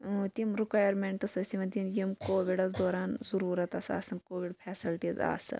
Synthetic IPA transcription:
t̪imɾikaːjɐɾmeɳʈɐsɐsiʋɐnd̪injimkoːʋiɖɐsd̪oːɾaːnzɐɾuːɾɐt̪ɐsa̰ːsɐnkoːʋiɖpʰɛːsilʈiːza̰ːsɐ̰

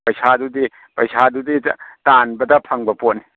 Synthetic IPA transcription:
pɐjsʰadudi | pɐjsʰaduditanbɐdɐpʰɐŋbɐpotni

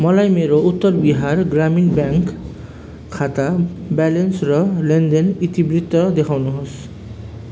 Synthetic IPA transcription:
mɔlajmeɾout̪ːɔɾbiɦaɾɡɾaminbɛŋkʰː | at̪abɛlensɾɔlend̪enit̪ibɾit̪ːɔd̪ekʰawnuɦos

